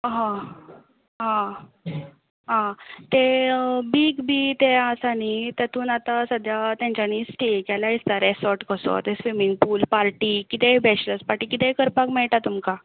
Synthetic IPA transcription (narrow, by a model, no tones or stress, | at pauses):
ɦã | ɦã | ɦãt̪ebiːkbiːt̪easanit̪at̪ʰuːnat̪asəd̪ʱjat̪jãɲt͡ɕanisʈʰikjalaist̪aɾesɔɾʈkəso̰t̪esʋimiŋɡ̚puːlpaɾʈiːkit̪ɛbʱɛt͡ɕlət͡spaɾʈiːkit̪ɛkəɾpakmɛɭʈ̪at̪umka